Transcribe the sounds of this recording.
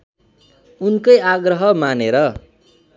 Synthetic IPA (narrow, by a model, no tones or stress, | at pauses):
unkʌjaɡrʌɦʌmaneɾʌ